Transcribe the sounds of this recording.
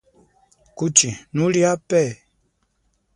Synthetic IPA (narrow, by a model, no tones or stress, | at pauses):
kut͡ʃinuliapɛ